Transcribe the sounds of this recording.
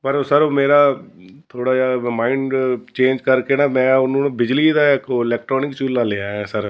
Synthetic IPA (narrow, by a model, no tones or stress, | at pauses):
pəɾosəɾoːmeːɾaːt̪ʰoːɽaːd͡ʒaːmaːɪɳɖt͡ʃẽːnd͡ʒkəɾkenamɛ̃ːʊnõːnebɪd͡ʒliːd̪aːekoɪlɛːk̚ʈɾɔːnɪkt͡ʃulːalejaɦɛːsəɾ